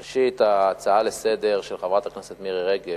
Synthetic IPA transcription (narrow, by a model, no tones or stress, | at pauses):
eʃit̪aːt͡saalesed̪eʁʃelχevʁat̪akneset̪miʁeʁeɡe